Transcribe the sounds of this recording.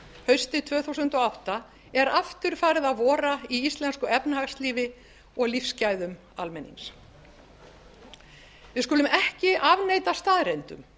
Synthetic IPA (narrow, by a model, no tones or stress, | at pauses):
hœɥst̪ɪt̪ʰv̥œːθuwsʏnt̪ɔawht̪a | ɛɾaft̪ʏɾ̥faːɾɪðaðvɔːɾaiist̪lɛnskʏɛpnahaxsliːvɪ | ɔɣlifscaːjðʏm | a̰lmɛnːḭns | vɪskʏːlʏmʔɛhcɪʔavnejt̪ast̪aːðɾejnt̪ʏ̰m